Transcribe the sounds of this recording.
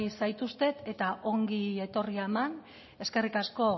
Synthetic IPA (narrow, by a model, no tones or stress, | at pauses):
sajt̪ust̪e̞t̪e̞t̪aʔo̞ŋɡie̞t̪o̞rieman | e̞ske̞rikasko̞